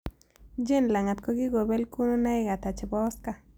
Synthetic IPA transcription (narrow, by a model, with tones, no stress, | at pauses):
d͡ʒe˦˨nla˨ŋa˨t̪̚ko˧˦ɡi˦ɡo˨be˦lku˦no˦na˦jɡa˨t̪a˨t͡ʃe˨bo˦ska˧